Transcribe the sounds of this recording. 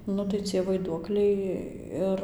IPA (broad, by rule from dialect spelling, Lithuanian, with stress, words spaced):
ˈnʊ tɐɪ t͡sʲiɛ ʋɐɪˈduɔklʲɛɪ ˈɪr